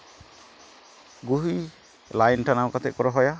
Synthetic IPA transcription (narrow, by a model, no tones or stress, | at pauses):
ɡuɦi | lajnʈʰanawkat̪ʰɛʔ̚kɔɾɔɦɔja